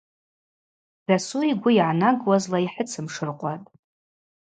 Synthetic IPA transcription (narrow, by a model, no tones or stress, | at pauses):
d̥asuiɡʷʊiʕanaɡwazlaiħət͡sʰɨmʂɨrqʷʼatʼ